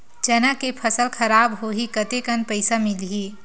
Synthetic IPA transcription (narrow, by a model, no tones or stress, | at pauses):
d͡ʒɐnakepʰəsəlkʰɐɾaːbɦoːɦikɐt̪ekənpəɪsamɪlɦiː